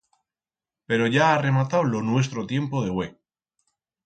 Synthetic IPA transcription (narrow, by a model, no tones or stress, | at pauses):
pe̞ɾo̞ʝaːre̞mat̪awlo̞nwes̬t̪ɾot̪jempoð̞eɣwe